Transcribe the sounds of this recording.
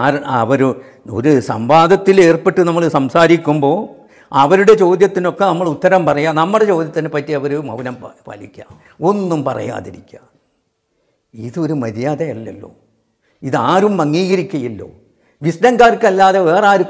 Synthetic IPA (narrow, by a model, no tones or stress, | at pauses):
aːɾɐʋɐɾu | o̰ɾusɐ̰mbaːd̪ɐt̪ːile̞ːrpe̞ʈːɨnɐmːɐɭsɐmsaːɾikʲːumbo̞ː | ɐʋɐɾuɽe̞t͡ɕo̞ːd̪jɐt̪ːino̞kːe̞nɐmːɐɭut̪ːɐɾɐmpɐrɐjaːnɐmːuɽet͡ɕo̞ːd̪jɐt̪ːinepɐtːiɐʋɐɾumɐ̰ʋunɐmpɐ̰likʲːa̰ː | o̞nːumpɐrɐ̰ja̰ːðiɾikʲːaː | iðo̞ɾumɐðjaːðɐjɐlːɐlːo̞̰ː | iðaːɾumːɐŋːiːɣɐɾikʲːɐjilːo̞̰ː | ʋisnɐŋkaːrkːɐlːaːðeʋe̞ːraːɾu